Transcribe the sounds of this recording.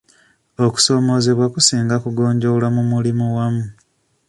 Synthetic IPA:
o̞ku̥so̞ːmo̞ːze̞βwakusiːŋɡakuɡo̞ːɲɟo̞lamumulimuwamu

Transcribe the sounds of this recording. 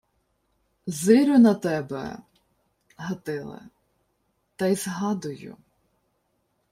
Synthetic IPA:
zɪɾʲʊnɐt̪ɛbɛ̰ | ɦɐt̪ɪlˠɪ̰ | t̪ɐjzɦɑd̪ʊjʊ̰

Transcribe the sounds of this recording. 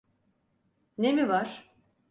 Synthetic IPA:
ne̞mivaɾ̥

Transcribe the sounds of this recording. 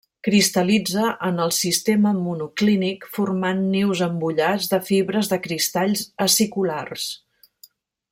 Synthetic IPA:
kɾist̪əlid͡zəʔənəlˠsist̪eməmunuklinikfurmanːiwzəmbuʎad͡zðəfiβɾəzðəkɾist̪aʎzəsikulars

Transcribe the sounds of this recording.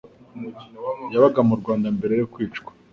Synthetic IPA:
jaβaɡamuɾɡwaːndambe̞ɾe̞jokwiːt͡ʃkʷwḁ

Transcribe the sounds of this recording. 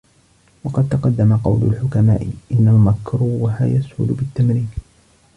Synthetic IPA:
wɑqɑd̪̚t̪ɑqɑd̪ːamaqɑ̰wlʊ̰lħʊkama̰ːʔɪʔɪnːalmakɾuːɦajashʊ̰lbɪt̪ːamɾiːn

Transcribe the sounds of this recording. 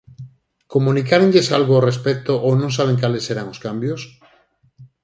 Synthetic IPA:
komunikaɾeŋʎesalɣoorespɛk̚t̪oʔownõŋs̬aβ̞eŋkaleseɾaŋoskambjos

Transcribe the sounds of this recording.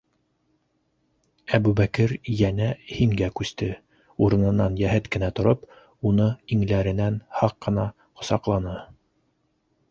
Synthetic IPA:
æbʉβækɘɾjænæhiŋɡækʉst̪ɘ | uɾɤ̆nɤ̆nːɑnjæɦɘt̪kɘ̆næt̪ŏɾop | unɤiŋlæɾɘ̆nænhɑqːɤ̆nɑ | qŏ̥sɑqlˠɑnɤ

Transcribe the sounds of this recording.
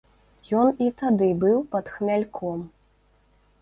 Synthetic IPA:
jɔnit̪ad̪ɨbɨwpɐt̪xmʲalʲkʰɔm

